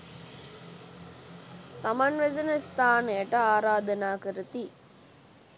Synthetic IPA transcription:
t̪amanʋezənəst̪ʰaːnəjəʈəaːɾaːd̪ɐnaːkəɾət̪i

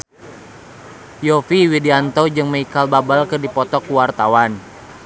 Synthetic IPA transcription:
jɔfiwidiant̪ɔd͡ʒɨŋməikalbabalkɨrdipɔt̪ɔkuwart̪awan

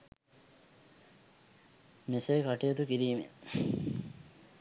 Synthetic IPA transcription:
mesejkaʈijot̪ukiɾiːmḛ

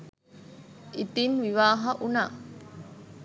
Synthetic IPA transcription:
ʔit̪inʋiʋaːɦɐʔunaː

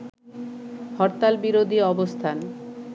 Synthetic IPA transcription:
hɔɾt̪albiɾod̪ʱiɔbost̪ʰan

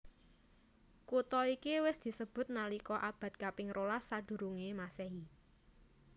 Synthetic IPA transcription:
kut̪ɔikiwɪsd̪̥i̤səb̥ʊ̤t̪̚nalikɔʔab̥a̤t̪̚kapɪŋɾolasːad̪̥ṳɾuŋemaseɦi

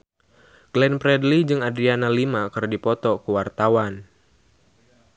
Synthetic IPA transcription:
ɡ̥lɛnpɾɛdlid͡ʒɨŋadɾianalimakɨrdipɔt̪ɔkəwart̪awan

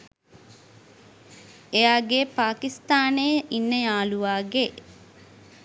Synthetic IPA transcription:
ejaːɡeːpaːkist̪aːneinːəjaːluʋaːɡe

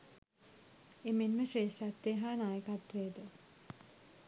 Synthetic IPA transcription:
emenməʈɾeːsʈæt̪ːeːɦaːnaːjəkat̪ːʋeːd̪ə

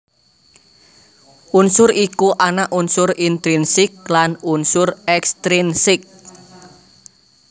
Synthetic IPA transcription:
ʔunsʊɾikuʔanaʔunsʊrint̪ɾinsɪk̚lanunsʊrɛkst̪ɾinsɪk̚

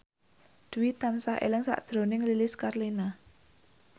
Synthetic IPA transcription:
d̪̥uwit̪ansaɦʔḛlɪŋsa̰ʔd̥ʒ̥ɾonɪŋlilɪskarlina

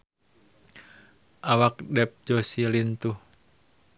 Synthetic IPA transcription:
ʔawak̚dɛp̚d͡ʒosilint̪uh

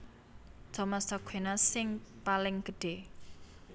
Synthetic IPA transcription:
d̪̥ɔ̤mast̪ɔɡ̥ʰwenasɪŋpalɪŋɡ̥ə̤ɖ̥e̤

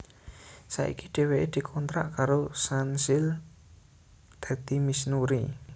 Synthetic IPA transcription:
sa̰ʔḭkiɖ̥e̤weʔed̪̥i̤kʰɔnt̪ɾa̰ʔkaɾosansɪl | d̪̥ä̤d̪imisnuɾi

